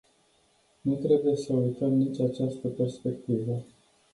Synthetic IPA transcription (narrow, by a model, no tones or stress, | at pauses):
nut̪ɾe̞buje̞səujt̪əmnit͡ʃʲat͡ʃast̪əpe̞rspe̞kt̪ivə